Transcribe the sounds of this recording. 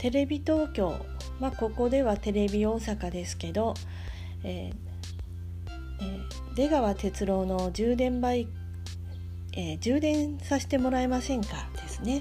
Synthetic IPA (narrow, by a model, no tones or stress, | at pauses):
t̪e̞ɾe̞bʲit̪o̞ːkʲo̞̰ː | mako̞ko̞d̪e̞βat̪e̞ɾe̞bʲio̞ːsakad̪e̞sɨ̥ke̞d̪o̞ | eː | d̪e̞ɡaβat̪e̞t͡sɨɾo̞ːno̞ʑɨːd̪ẽ̞mbai | eːd͡ʑɨːd̪ẽ̞ɰ̃saɕi̥t̪e̞mo̞ɾaemasẽ̞ŋkad̪̥e̞sɨne̞